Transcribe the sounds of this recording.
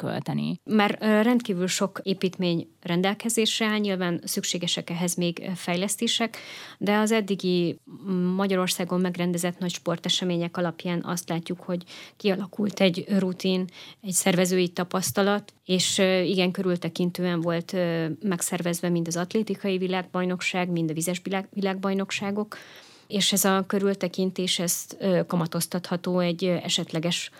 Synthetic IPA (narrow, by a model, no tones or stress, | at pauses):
kø̰lt̪ɛnḭmaːrrɛnt̪kiːvylʃo̞keːpiːt̪meːɲ | rɛnd̪ɛlkɛzeːʃɛɲilvaːnsykʃeːɡɛʃɛkɛɦɛzmeːɡfɛjlɛst̪eːʃɛkd̪ɛɒzɛd̪ːiɡi | mɒɟɒɾo̞rsaːɡo̞mːɛɡrɛnd̪ɛzɛt̪nɒcʃpo̞rt̪ɛʃɛmeːɲɛkɒlɒpjaːnʔɒ̰st̪laːcːukho̞ɟkiɒlɒkult̪ɛɟrut̪inɛcsɛrvɛzøːjit̪ɒpɒst̪ɒlɒt̪eːʃiɡɛŋkø̞ɾylt̪ɛkint̪øːɛɱvo̞lt̪mɛksɛrvɛzvɛmint̪ɒzɒt̪leːt̪ikɒjivilaːɡ̚bɒjno̞kʃaːɡmind̪ɒvizɛʒbvilaːɡ̚bɒjno̞kʃaːɡo̞k | eːʃɛzɒkø̞ɾylt̪ɛkint̪eːʃɛz̥økɒmɒt̪o̞st̪ɒt̪hɒt̪oːɛɟːɛ̰ʃɛt̪lɛɡɛʃ